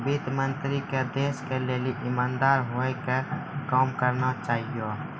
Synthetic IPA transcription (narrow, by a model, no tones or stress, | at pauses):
bit̪mənt̪ɾiked̪eːskeleːliʔɪmaːnd̪aːɾɦoekekaːmkəɾnat͡ʃaːɦijo